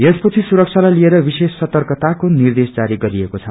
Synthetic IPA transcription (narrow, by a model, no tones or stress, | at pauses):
espʌt͡sʰisuɾʌk̚t͡sʰalajlieɾʌbisesːʌt̪ʌrkʌt̪akonird̪esd͡zaɾiɡʌɾiekot͡sʰʌ